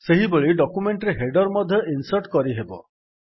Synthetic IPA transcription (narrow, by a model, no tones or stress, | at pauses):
seɦibeɭiɖɔkumeɳʈɾeɦeɖɔɾmɔd̪ʱjɔʔinsəɾʈkɔɾiɦebɔ̰